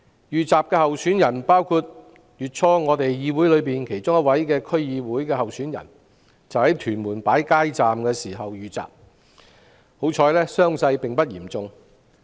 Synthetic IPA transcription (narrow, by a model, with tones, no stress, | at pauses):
jyː˨˩t͡saː˨p̚kɛː˧hɐ˨wsyː˨˥njɐ˨˩npaː˥wkʰuː˧t̚ | jyː˨t̚t͡ʃʰɔː˥ŋɔː˨˧t̪e˨jjiː˧wu˨˥jlɵ˨˧ɥpiː˨nkʰe˨˩jt͡sʊ˥ŋjɐ˥t̚wɐ˨˥jkɛː˧kʰɵ˥ɥjiː˨˧wuː˨˥jkɛː˧ɦɐ˨wsyː˨˥njɐ̰˨˩n | t͡sɐ˨whɐ˨˥jt̪ʰyː˨˩nmuː˨˩npaː˨˥jkaː˥jt͡saː˨mkɛː˧siː˨˩ɦɐ˨wjyː˨t͡sa̰ː˨p̚ | ho˨˥wt͡ʃʰɔː˧jlɛː˥sœː˥ŋsɐ˧jpɪ˨ŋpɐ˥t̚jiː˨˩mt͡sʊ˨ŋ